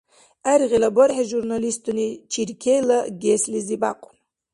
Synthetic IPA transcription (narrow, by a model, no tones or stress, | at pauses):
aɾʁilaboɾħaʒurnalistʰʼunit͡ʃʰirkʲʰejlaɡʲesliziba̰qʷʼʊn